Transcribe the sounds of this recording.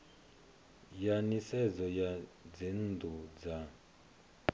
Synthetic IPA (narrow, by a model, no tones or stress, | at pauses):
janisɛd͡zɔjad͡zind̪ud͡za